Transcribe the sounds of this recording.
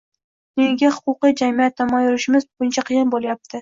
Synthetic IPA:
neɡʲahʊ̥qʊqijd͡ʒamijat̪ːamɒjʊɾɪʃɪmɪzbʊɪnt͡ʃʰaqʰɨjɪnbolˠajap̚t̪ʰɪ

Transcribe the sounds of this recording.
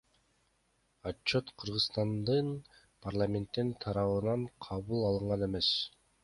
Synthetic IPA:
at͡ʃːo̞t̪qʰɯɾʁɯsst̪ɑnd̪ɯn | pʰarlˠamʲe̞nt̪ːint̪ʰɑɾɑβɯnɑɴqʰɑβulˠɑlˠɯɴʁɑne̞me̞s

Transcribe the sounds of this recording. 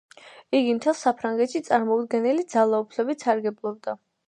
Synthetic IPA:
iɡimt̪ʰɛlˠsapʰɾaŋɡɛt̪ʃit̪sʼaɾmɔud̪ɡɛnilid̪z̥alˠaupʰlɛbit̪saɾɡɛblˠɔb̚d̪a

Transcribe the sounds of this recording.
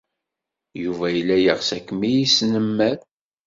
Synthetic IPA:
juvæjəlːæjəʁsækːmijisnəmːæɾ

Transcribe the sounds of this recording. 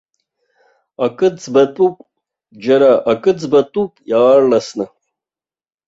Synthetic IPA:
akʼɨd͡zbɐt̪ʼupʷʼ | d͡ʒɐɾaʔakʼɨd͡zbɐt̪ʼupʼjaːrlɐsnɨ

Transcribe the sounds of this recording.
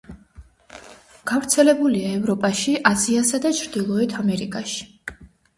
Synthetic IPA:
ɡ̥avɾt̪sʰɛlɛbuliaɛvɾɔpʼaʃiʔaziasad̪at͡ʃʰɾd̪ilˠɔɛt̪ʰamɛɾḭkʼaʃi̥

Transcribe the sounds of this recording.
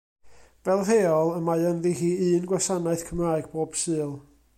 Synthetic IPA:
vɛlˠɦeːɔlˠəmajənðihiːɨːnɡwasanaɨθkʰəmraːɨɡ̥̚boːb̥sɨːlˠ

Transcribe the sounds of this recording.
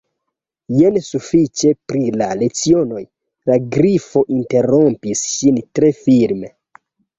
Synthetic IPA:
jensufit͡ʃe̞pɾilale̞t͡sio̞no̞j | laɡɾifo̞ʔinte̞ɾo̞mpisʃintɾe̞fiɾme

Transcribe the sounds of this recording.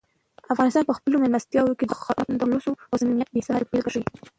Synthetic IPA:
afɣɑnɪst̪ɑnpəxpəlomɪlmast̪jɑwokedxɑnd̪əlosoazminjat̪̚besɑalpelɡaʂii

